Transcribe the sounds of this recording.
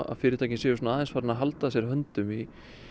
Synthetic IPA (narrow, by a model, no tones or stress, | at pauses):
a̰fɪːɾɪt̪ʰajcɪnsɛːjʏsɔnaaːðɛnsfaɾnaɦalt̪asjɛɾ̥ɦœnt̪ʏmi